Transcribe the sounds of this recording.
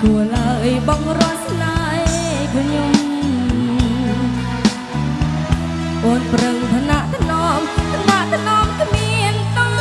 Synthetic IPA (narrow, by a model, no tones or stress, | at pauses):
kuəlaəjɓɑŋrŏət̪̚snaːjpɔɲom | ʔoːnprəŋt̪ʰanaʔt̪ʰnɑmt̪ʰanaʔt̪ʰanɑːmkʰmiənt̪ɔ